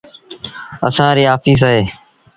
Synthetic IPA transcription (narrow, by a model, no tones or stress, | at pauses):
ə̰sãːɾiːaːfiːs̬aɦeː